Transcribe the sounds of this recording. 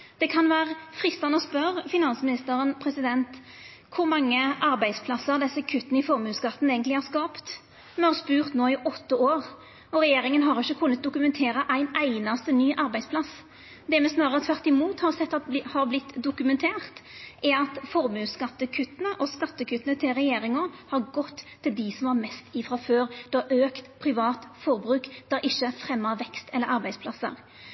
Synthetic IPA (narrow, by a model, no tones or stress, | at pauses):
d̪̥ɛkʰɑnʋæːɾəfɾɪst̪ɑnəɔspœɾfɪnɑnsəmɪnɪst̪əɾənpʰɾɛsɪd̪ɛnt̪ | kʰʊɾmɑŋːəʔɑɾbæɪspʰlɑsəʁd̪ɛsːəkʰʉt̪ːənɪfɔɾmʉːskɑt̪ːn̩eːɡənt̪lɪhɑʁskɑːpt̪ | mɛhɑɾspʉːʁt̪noːɪʔɔt̪ːəoːɾ | ɔɾɛjeːɾɪŋənɦɑɾɪçːəkʰʉnːət̪̚d̪ʊkʉmɛnt̪ʰeːɾəʔæɪnæɪnɑst̪ənyːʔɑɾbæɪspʰlɑs | d̪ɛmɛsnɑːʁəɾət̪ʰʋæʁt̪ɪmuːt̪hɑʁsɛt̪ːɑt̪hɑɾblɪt̪ːd̪ʊkʉmɛnt̪ʰeːʁt̪æɑt̪fɔʁmʉːskɑt̪ːəkʰʉt̪ːənəʔɔskɑt̪ːəkʰʉt̪ːənət̪ʰɪlɾɛjeːɾɪŋɔhɑɾɡɔt̪ʰːɪld̪ɪsɔmhɑʁmɛst̪ɪfɾɑføːɾd̪̥ɛɑʔøːkt̪pʰɾɪʋɑːt̪fɔɾbɾʉːkd̪̥ɑɾʔɪʃːəfɾɛmːəɾʋɛkst̪ʰɛlːəɾʔɑɾbæɪspʰlɑsːə̰ɾ